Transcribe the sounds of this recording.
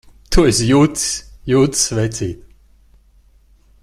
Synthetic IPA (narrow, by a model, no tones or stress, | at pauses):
t̪ʰuesjuːt̪sjuːt̪svɛjt̪siːt̪